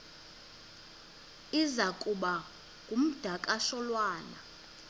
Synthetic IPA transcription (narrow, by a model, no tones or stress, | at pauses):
izakʼuɓa | ŋʱum̩d̥ʱakʼaʃɔlwaːna